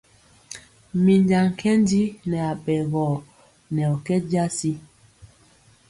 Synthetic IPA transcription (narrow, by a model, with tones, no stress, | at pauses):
mi˨ɲd͡ʒa˨ŋ̩˨kʰɛ˦n˦di˦nɛ˨a˨ɓɛ˨ɣɔ˨ | nɛ˨ɔ˨kɛ˦ɟa˦si˦